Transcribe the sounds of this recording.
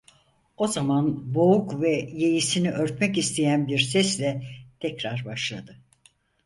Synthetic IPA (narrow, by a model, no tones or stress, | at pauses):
o̞zamanbo̞ukvɛjejisiniʔøɾt̪mɛcist̪ʰejænbiɾsɛslʲɛt̪ʰɛcɾaɾbaʃlˠad̪ɯ